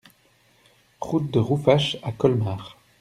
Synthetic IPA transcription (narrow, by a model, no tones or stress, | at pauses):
ʁut̪̚d̪əʁufaʃakɔlmaːʁ